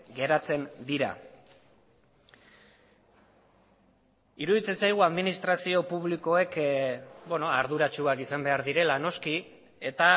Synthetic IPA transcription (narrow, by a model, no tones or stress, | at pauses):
ɡe̞ɾat͡se̞nd̪iɾa̰ | iɾuðit͡se̞nsajɣ̞uaðminist̪ɾasio̞puβliko̞e̞k | bweno̞aɾðuɾat͡ʃuakisambe̞aɾðiɾe̞lano̞ski | e̞t̪a